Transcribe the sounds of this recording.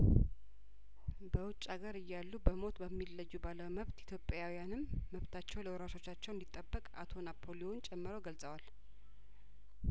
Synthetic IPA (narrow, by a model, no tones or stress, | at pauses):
bəwʊt͡ʃʼːaɡəɾɨjːalːubəmo̞t̪bəmːilːəjːubaləwməβt̪i̥t̪ʰjo̞pʼjawijanɨmːəβt̪ʰat͡ʃːɛwləwɾaʃo̞t͡ʃːat͡ʃːɛwnd̪it̪ʼːəbːəkʼa̰t̪ʰo̞napʰːo̞lijont͡ʃʼɛmːɨɾowɡəlsʼəwal